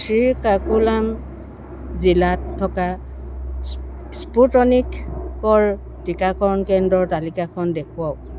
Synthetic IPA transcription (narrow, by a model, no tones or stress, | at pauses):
sʰɹikakulam | zilatʰːɔka | sputɔnikːɔɹ | tikakɔɹnkɛndɔɹtalikakʰɔndekʰuwaw